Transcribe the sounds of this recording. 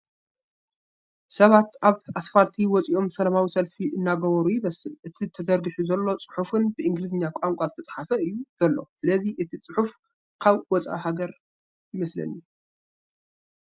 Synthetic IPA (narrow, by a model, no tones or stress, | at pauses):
sɐβat̪ʔaβʔasfalt̪ʰiwɔt͡sʼiʔo̞msɐlɐmawisɐlfiʔɨnːaɡɐβɐɾujɪβɐsɨlʔɨt̪ʰit̪ʰɐzɐɾɡɨħuzɐlːo̞t͡sʼɨ̥ħufɨnbɨʔɨŋɡlɨzɨɲːakʷʼaŋkʷʼazɨt̪ʰɐt͡sʼħafɐɨjːuz̥ɐlːo̞̰sɨlɐziʔɨt̪ʰit͡sʼɨħuf | kʰaβwɔt͡sʼa̰haɡɐɾ | jɪmɐslɐ̰nu